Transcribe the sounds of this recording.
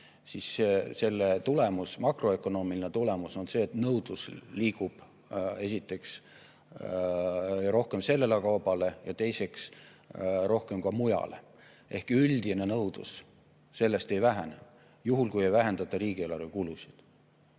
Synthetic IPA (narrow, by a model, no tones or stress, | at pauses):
sisese̞lːet̪ule̞musmɑkro̞ekːo̞no̞ːmilinet̪ule̞muso̞nse̞ːt̪nɤwd̪̥usliːkub̥ | e̞sit̪ːˑe̞ks | ɾo̞hke̞mse̞lːelekɑwbɑle̞jɑt̪e̞jse̞ks | ɾo̞hke̞mkɑmujɑ̰le̞̰ | ʔe̞hkyld̪̥ine̞nɤwd̪̥ṵsː | e̞lːe̞st̪e̞jvæɦænḛ | juɦulkuje̞jvæɦe̞nd̪ɑt̪ːˑɑɾiːɡie̞lɑrvekulusi̥d̪̥